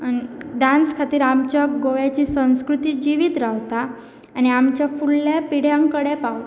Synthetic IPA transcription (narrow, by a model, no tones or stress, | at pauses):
aniɖanskʰat̪iːɾamt͡ɕaɡojat͡ɕiːsə̃w̃skɾut̪iːd͡ʑiʋiːt̪ɾaɦt̪aː | ñiamt͡ɕjafulːjapiɽ̤jãŋkəɽepaw